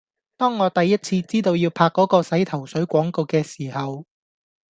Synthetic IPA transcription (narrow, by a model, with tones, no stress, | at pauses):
t̪ɔː˥ŋːɔː˨˧t̪ɐ˨jːɐ˥t̚t͡sʰiː˧t͡siː˥t̪o˧wjiː˧wpʰaː˧kːɔː˨˥kɔː˧sɐ˨˥jt̪ʰɐ˨˩wsɵ˨˥ɥkʷɔː˨˥ŋko˨˧wkɛː˧siː˨˩hɐ˨w